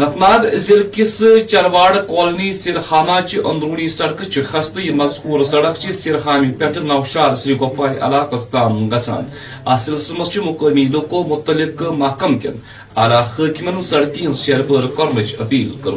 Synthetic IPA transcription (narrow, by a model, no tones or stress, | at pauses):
nɐt̪ʰnaːɡ̪zʲilkisɨt͡ʃɐɾʋaːɽɨkoːlniːsiɾhaːnaːt͡ʃʰiʔɐnd̪ɾuːniːsɐɽkɨt͡ʃʰixɐst̪ɨjimɐzkuːɾsɐɽɐkt͡ʃʰisiɾɦaːmipʲɐʈʰɨnɐːwʃaːɾsɾiːɡɐfaːɦiʔɐ̰laːkɐst̪aːmɡɐt͡sʰa̰ːn | asilsɨmɐst͡ʃʰimukəːmiːlukoːmʊt̪ːɐlikɨmɐkɐmkʲɐ̰n | ɐːlaːxɨːkʲimɐnsɐɽkiinzʃeɾbəɾkɔɾmɨt͡ʃʰɐpiːlkɐɾ